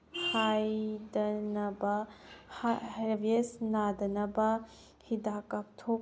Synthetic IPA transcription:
hajdɐnɐbɐhɾbesnad̪ɐnɐbɐ | hidakap̚t̪ʰo

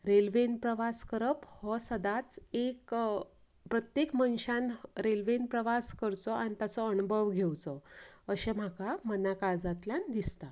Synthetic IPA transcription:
ɾelʋenpɾəʋaskəɾəphɔsəd̪at͡sek | pɾət̪jekmənɕanɾelʋenpɾəʋaskəɾt͡sɔʔanit̪at͡sɔənubʱəʋɡʱewt͡sɔəɕem̤akamənakaɾd͡zat̪ljand̪ist̪a

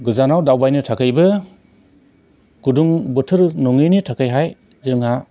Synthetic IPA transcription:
ɡɯzanawdawbajnɯtʰakʰɯjbɯ | ɡ̥uduŋbɯtʰɯɾnɔŋɯnitʰakʰajɦaj | zɯŋha

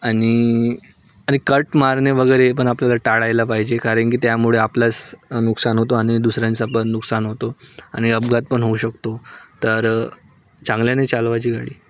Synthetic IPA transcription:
aɽ̃i | aɽ̃ikəʈmaɾɳəʋəɡəjɾep̬əɳapljalaʈaɽajlapaɦid͡ʑekaɾəɳkiːt̪jamuɭeaplasnuksanɦot̪oaɽ̃id̪usɾjãnt͡sapənnuksanɦot̪oaɽ̃iəbɡat̪̚pəɳɦouɕəkt̪ot̪əɾ | t͡sãŋɡljanet͡salʋat͡ɕiːɡʱa̰ɽiː

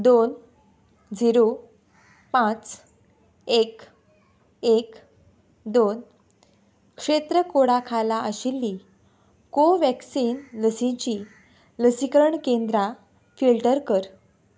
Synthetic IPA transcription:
d̪on | d͡ziɾo | pãt͡s | ek | ek | d̪on | kʂet̪ɾəkoɽakʰalaəɕilːi | koʋɛksiːnləsĩt͡ɕi | ləsikəɾəɳkend̪ɾa | filʈəɾkəɾ

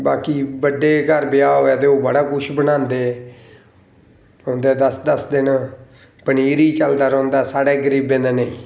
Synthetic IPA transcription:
baːkiːbəɖeːkəɾbɪjaːɦoːjaːt̪eːoːbəɽaːkʊʃʰbənãːnd̪eː | õːnd̪eːd̪əsd̪əsd̪ɪn | pəɳiːɾiːt͡ʃəld̪aːɾɔ̃ːnd̪aːsaːɽeːɡəɾiːbẽːd̪eːneḭ̃ː

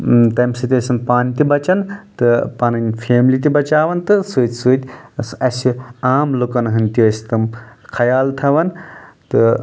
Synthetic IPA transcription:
t̪ɐmsɨt̪ʲɐsʲɐmpaːnʲt̪ibɐt͡ʃɐnt̪ɨpɐnɐnʲfʰeːmlit̪ibɐt͡ʃaːʋɐnt̪ɨsɨːt̪ʲsɨːt̪ʲsɐsiaːmlukɐnɦɨnʲt̪iɐsʲt̪ɨmkʰɐjaːlt̪ʰɐʋɐnt̪ɨ

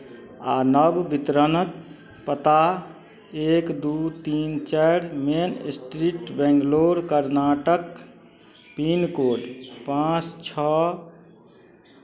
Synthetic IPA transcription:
anəbbit̪ɾənək | pət̪a | ekd̪ut̪int͡ʃaɾmensʈɾiʈbɛ̃ŋɡloɾkəɾnaːʈək | pinkoɖpãt͡ʃt͡ʃʰɔ

